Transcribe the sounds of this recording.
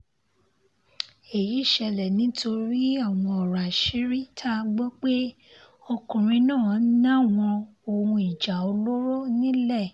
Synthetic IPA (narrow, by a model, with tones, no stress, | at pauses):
e˨ji˨˦˨ʃɛ˧lɛ˨nĩ˨˦to˧ɾi˦a˦˨w̃ɔ̃˧ɔ˨ɾa˨ʃi˨˦ɾi˦tʰa˦˧ɡ͡bɔ˦k͡pe˦ | o˧kũ˨ɾ̃ĩ˧nãː˦˨˦nã˦˨w̃ɔ̃˧ | o˧ũ˧i˨d͡ʒa˨o˧lo˦ɾo˦nĩ˦lɛ˦˨